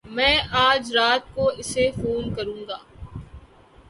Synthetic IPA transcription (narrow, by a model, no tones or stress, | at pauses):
mɛ̃ːaːd͡ʒɾaːt̪̚koɪsefoːnkɐɾũːŋɡaː